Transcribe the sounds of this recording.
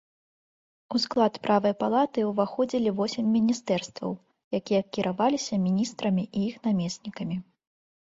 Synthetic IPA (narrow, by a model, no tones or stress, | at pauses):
usklˠat̪pɾʔavɐjpalˠat̪ɨwvaxɔd͡zʲilʲivɔsʲɛmʲːinʲist̪ɛrst̪vɐ̰w | jakʲijɐkʲiɾʔavalʲisʲɐmʲinʲist̪ɾɐmʲiʔijixnamʲesʲnʲikɐmʲi